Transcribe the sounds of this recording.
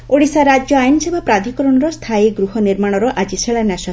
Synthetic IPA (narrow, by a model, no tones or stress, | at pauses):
oɽisaɾad͡ʒjɔajnɔsebʱapɾad̪ʱikɔɾɔɽ̃ɔɾɔst̪ʰajiɡɾuɦɔniɾmaɽ̃ɔɾɔʔad͡ʒisʰeɭanasɔ